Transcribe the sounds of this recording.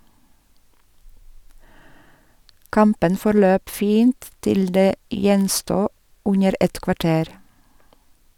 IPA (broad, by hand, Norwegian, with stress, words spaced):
ˈkɑmpən fɔɾˈløːp ˈfiːnt ˈtɪl ˈdeː ˈjɛnstuː ˈʉnəɾ ˈɛt kʋɑˈʈeːɾ